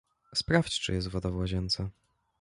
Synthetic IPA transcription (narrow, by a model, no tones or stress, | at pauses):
spɾaft͡ɕt͡ʂɨ̰jɛst̪vɔd̪avwaʑɛnt̪sa